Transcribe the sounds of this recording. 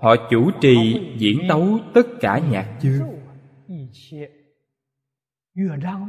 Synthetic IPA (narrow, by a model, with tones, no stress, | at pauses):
hɔ̰˧˨t͡ɕu˧˩t͡ɕḭ˧˨zḭ˧˩˥ənt̪ə˨˦wt̪ə˦˥t̚kaː˧˩ɲaː˨˩k̚t͡ɕɨ˧ə˧˩˧